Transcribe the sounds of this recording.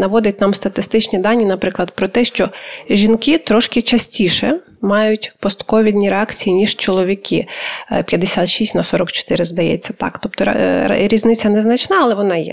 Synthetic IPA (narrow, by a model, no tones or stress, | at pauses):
nɐʋɔd̪ɪtʲnɑmst̪ɐt̪ɪst̪ɪt͡ʃnʲid̪ɑnʲːinɐpɾɪklˠɐd̪pɾɔt̪ɛʃt͡ʃɔʒʲinkɪt̪ɾɔʃkɪt͡ʃɐsʲtʲiʃɛ | mɑjʊtʲpɔst̪kɔʋʲid̪ʲnʲiɾeɑkt͡sʲijinʲiʒ̥t͡ʃɔlˠɔʋʲikɪpʲjɐd̪esʲat̪ʃisʲtʲnɐsɔɾɔkt͡ʃɔ̥t̪ɪɾɪzd̪ɐjɛ̰t͡sʲːɐt̪ɑ̰kt̪ɔp̚t̪ɔɾ̰ɾʲiznɪt͡sʲɐnɛznɐt͡ʃnɑɐlˠɛʋɔnɑjɛ̰